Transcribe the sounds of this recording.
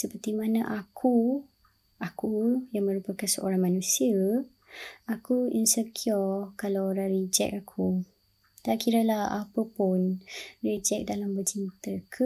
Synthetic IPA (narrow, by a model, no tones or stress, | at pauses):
səpərt̪imanãʔakʰu | ʔakujaŋmə̃ɾupakansəʔo̰ɾaŋmanũsiə | akuinsəkʰiɔkalawoɾaŋrid͡ʒɛ̰k̚akʰu | t̪aʔkiɾəlaha̰pəpunrid͡ʒɛk̚dalambət͡ʃint̪əkʰə